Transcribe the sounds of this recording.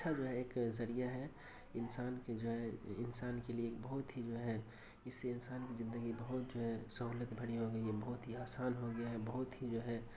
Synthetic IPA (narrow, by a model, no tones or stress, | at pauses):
ʃʰad͡ʒoːɦɛeːkzɐɾijaɦɛ | ɪnsaːnked͡ʒoːɦɛɪnsaːnkelieːk̚bɐɦʊt̪ɦid͡ʒoːɦɛ | ɪsːeɪnsaːnkizɪ̃nd̪əɡibɐɦʊt̪̚d͡ʒoːɦɛsɐɦuːlət̪bʱɐɽiɦoɡɐiɦɛbɐɦʊt̪ɦiaːsaːnɦoɡɐjaɦɛbɐɦʊt̪ɦid͡ʒoːɦɛ